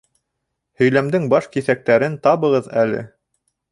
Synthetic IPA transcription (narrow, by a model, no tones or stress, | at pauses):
hɵ̆jlæmd̪ɘŋbɑʃkiθæk̚t̪æɾɘnt̪ɑβɤ̆ʁɤðælɘ̰